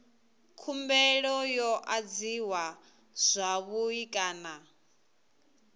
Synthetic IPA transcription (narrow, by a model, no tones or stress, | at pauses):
kʰumbɛɺɔjɔʔad͡ziwa | z̥ʷaβuikʼaːna